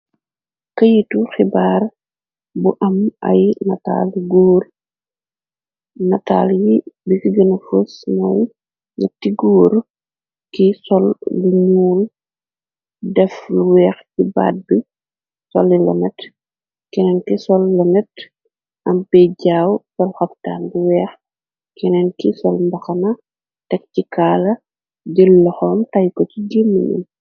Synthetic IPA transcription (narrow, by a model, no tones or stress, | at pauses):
kɐjituxibaːr | buʔɐmɐ̰jnɐta̰ːlɡoːr | nɐta̰ːljibisiɡɐnɐfosmɔj | ɲɐtːiɡoːɾ | kisɔlːuɲuːl | dɛfluwɛːxciba̰ːd̚bi | sɔ̰lilɐ̰nɛt | kɛnɛnkisɔlːɐnɛt | ʔɐmbɛɟaːwsɔlxɐpta̰ːnbuwɛːx | kinɛnkisɔlmbɐxɐnɐ | tɛktikaːlɐ | ɟilːɔxɔmtajkɔciɡimːḭnṵm